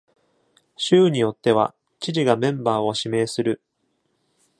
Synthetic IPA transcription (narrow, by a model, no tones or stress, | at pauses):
ɕɨːɲ̟ijo̞t̪ːe̞β̞a̰ | t͡ɕiʑiɡamẽ̞mbaːo̞ɕime̞ːsɨɾɯ̟